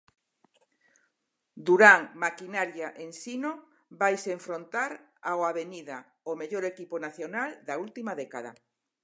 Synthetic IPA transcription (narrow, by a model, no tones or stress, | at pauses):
d̪uɾaŋmakinaɾjaʔensino | bajseɱfɾont̪aɾ | awaβeniða | omeʎoɾekiponaθjonald̪ault̪imaðɛkaða̰